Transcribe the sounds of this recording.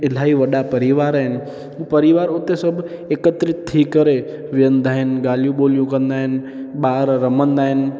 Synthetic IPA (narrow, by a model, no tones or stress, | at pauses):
ɪl̤aːiʋɐɗapɐɾɪʋaːɾaːɦɪnɪ̆ | ɦũpəɾɪʋaːɾʊt̪esəbʱ | eːkət̪ɾɪt̪ʰiːkəɾe | ʋɪjə̃nd̪ʱaːɦɪnɡaːljũɓolijũkə̃nd̪aːɦɪnɪ | ɓaːɾɾəmənd̪aːɦɪnɪ̆